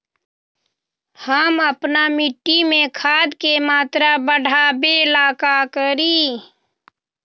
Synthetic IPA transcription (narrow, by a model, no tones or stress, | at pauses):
həməpnamɪʈːimẽkʰaːd̪kemaːt̪ɾabəɽ̤ʱabeɪlaːkakəɾiː